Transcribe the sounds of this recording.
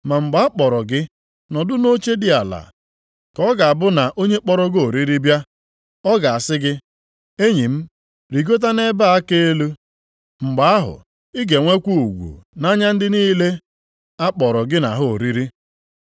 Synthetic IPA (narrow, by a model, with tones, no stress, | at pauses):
ma˨ŋ͡m̩˨ɡ͡ba˨˦k͡pɔ˨ɾɔ˨ɡɪ˦ | nɔ˨dʊ˦no˦t͡ʃe˦dɪ˦a˨la̰˨ | kɔ˦ɡa˨a˨bʊ˦na˨ʔo˦ɲe˦k͡pɔ˦ɾɔ˦ɡo˨ɾi˦ɾi˦bja˦ | ɔ˦ɡa˨a˨sɪ˦ɡɪ˦ | e˦ɲi˨m̩˦ | ɾi˨ɡo˦t̬a˦ne˦ba˦a˦ke˦e˦lu˦ | ŋ͡m̩˨ɡ͡ba˨a˦ɦʊ̰˨ | i˦ɡe˨ŋʷe˦kʷu˦u˨ɡʷṵ˨na˦ɲa˦n̩˦dɪ˦niː˦le˦ | a˦k͡pɔ˨ɾɔ˨ɡɪ˦na˨ɦʊ˦o˨ɾi˦ɾi˦